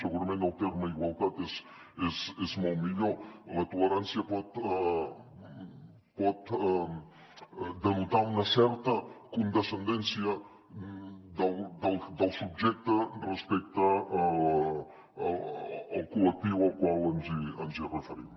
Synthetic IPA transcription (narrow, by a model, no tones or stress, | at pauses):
səɣuɾɐmẽnt̪əlˠt̪eɾməiɣwalˠt̪at̪es | ezezmɔwmiʎolət̪uləɾansjəpɔt̪̚ | pɔt̪ | d̪ənut̪aunɐsɛɾt̪əkund̪əsənd̪ɛnsjə | d̪əld̪əlˠd̪əlˠsub̚ʒɛk̚t̪ərəspɛk̚t̪ə | lˠkulək̚t̪iwəlˠkwalənziənzirəfəɾḭm